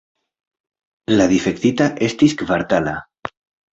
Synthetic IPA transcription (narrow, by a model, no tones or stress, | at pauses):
laðifek̚t̪it̪aʔest̪iskvaɾt̪ala